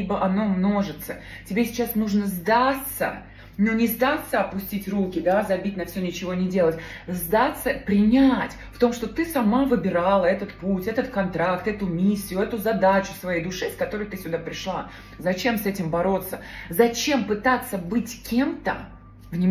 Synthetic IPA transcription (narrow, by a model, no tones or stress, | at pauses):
ibəʔɐno̞mno̞ʐɨt̪sə | tʲɪbʲesʲɪ̥t͡ɕasnuʐnəzd̪at̪sə̰ | nonʲɪzd̪at̪sːəɐpʊsʲtʲitʲrukʲɪd̪azɐbʲitʲnɐfsʲɵnʲɪt͡ɕɪvonʲɪdʲe̞lˠətʲzd̪at̪sːəpɾʲɪnʲatʲft̪o̞mʂt̪o̞t̪ɨsɐmavɨbʲɪɾalˠəɛt̪ət̪putʲɛt̪ət̪kɐnt̪ɾakt̪ɛt̪ʊmʲisʲːɪjʊɛt̪ʊzɐd̪at͡ɕʊ̥svɐjejd̪ʊʂɨskɐt̪o̞ɾəjt̪ɨsʲʊd̪apɾʲɪʂlˠa | zɐt͡ɕe̞msɛtʲɪmbɐɾo̞t̪sːəzɐt͡ɕe̞mpɨt̪at̪sːəbɨtʲkʲʰe̞mt̪ə̰ | vnʲɪ